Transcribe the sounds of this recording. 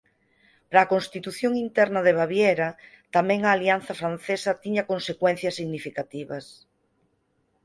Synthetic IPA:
pɾaːkonst̪it̪uθjoŋint̪ɛɾnɐðeβ̞aβjɛɾɐ | t̪amɛ̃ŋaːlianθɐfɾanθesɐt̪iɲɐkonsekwɛ̃n̟θjɐsːiɣnifikat̪iβɐs

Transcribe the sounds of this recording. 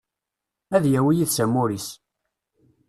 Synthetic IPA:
æðjæwijiðsæmʊɾis

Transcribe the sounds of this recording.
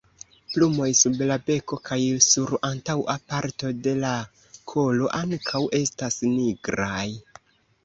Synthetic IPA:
plumo̞jsublabe̞ko̞kʰajsuɾantawapaɾto̞de̞la | kʰo̞lo̞ʔaŋkʰawʔe̞stasniɡɾaj

